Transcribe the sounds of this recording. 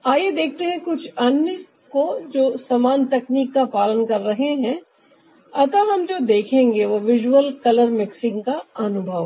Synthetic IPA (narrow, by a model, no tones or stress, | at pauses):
aːjed̪eːk̚ʰt̪eɦɛ̃kʊt͡ʃʰɐnjə | kod͡ʒoːsɐmaːnt̪ɛkniːkːapaːlənkɐɾːɐɦeɦɛ̃ | ɐt̪əʋɦɐmd͡ʒoːd̪eːkʰẽːŋɡeʋoʋɪʒwəlkɐləɾmɪksɪ̃ŋɡkaɐnʊbʱəʋ